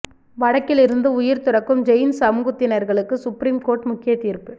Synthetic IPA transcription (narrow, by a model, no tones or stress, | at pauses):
ʋɐɽɐkːɪlɪɾɯnd̪ɯʊjɪɾt̪ʊɾɐkːɯmd͡ʒɛjnsɐmuɣɯt̪ːɪnɐɾɣɐɭɯkːɯsʊpɾiːmkoːɾʈmʊkːɪjɐt̪iːɾpɯ